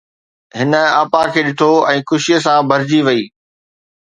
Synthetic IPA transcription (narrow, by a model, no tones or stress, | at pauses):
ɦɪnə̆ɐpãkʰeːɗɪʈʰoɛ̃ːxʊʃijəs̬ãbʱɐɾɪd͡ʑiʋɐiː